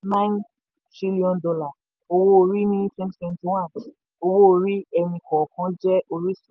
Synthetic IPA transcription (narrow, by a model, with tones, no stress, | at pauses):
nã˦n | tɾi˦li˦ɔ̃˧ndɔ˧la˨ | o˧wo˦o˧ɾi˦nĩ˦fɛ̃˦msɛ̃˧n˦tĩ˦w̃ã˦˨ | o˧wo˦o˧ɾi˦ɛ˧nĩ˧kɔ˨kã˨˦d͡ʒɛ˦ʔo˧ɾi˦s